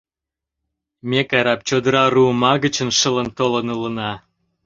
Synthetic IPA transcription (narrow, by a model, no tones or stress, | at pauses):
mʲekɑɾɑp̚t͡ɕod̪əɾɑruəmɑɣət͡ɕənʃə̆lənt̪olənulənɑ